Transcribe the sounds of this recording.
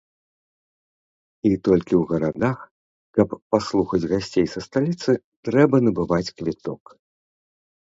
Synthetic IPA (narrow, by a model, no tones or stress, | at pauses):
it̪ɔlʲkʲiwɣɐɾad̪ax | kɐpːaslˠuxɐd͡zʲɣasʲt͡sʲejsɐst̪alʲit̪sɨ | t̪ɾɛbɐnɐbɨvat͡sʲkvʲit̪ɔk